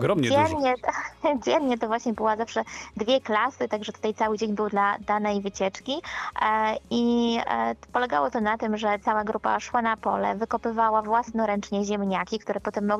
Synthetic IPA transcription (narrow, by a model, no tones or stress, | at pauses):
ɡɾɔmɲɛɾɲɛt̪d͡ʑɛnɲɛt̪ɔvwaɕɲɛbɘwazafʂɛd̪vʲjɛklasɘt̪aɡʐɛt̪u̥t̪ajt̪sawɘd͡ʑeɲbɘwd̪lad̪anɛjvɘt͡ɕɛt͡ʂkʲi | i | pɔlɛɡawɔt̪ɔnat̪ɘmʐɛt̪sawaɡɾupa̰ʂwanapɔ̰lɛ̰vɘkɔpɘvawavwasnɔɾɛnt͡ʂɲɛʑɛmɲakʲik̚t̪uɾɛpɔt̪ɛmːɔɡ